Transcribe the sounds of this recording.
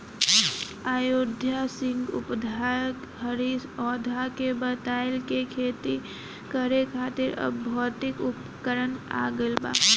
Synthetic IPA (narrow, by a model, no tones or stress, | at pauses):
aːjod̪ʱjasɪŋɡʊ̰pd̪ʱak | ɦəɾiɔd̪ʱakebət̪aːɪlkekʰeːt̪i | kəɾekʰaːt̪ɪɾə̰bʱɔt̪ɪkup | kəɾəna̰ɡəlba̰